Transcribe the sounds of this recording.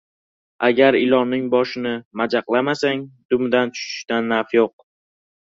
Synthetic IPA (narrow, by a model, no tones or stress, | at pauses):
aɡʲaɾɪlˠɒnnɪŋbɒʃɪnɪmad͡ʒaqlˠamasaŋd̪̥ʊmd̪ant͡ʃʰʊ̥ʃɪ̥ʃt̪anːaɾfjoq̚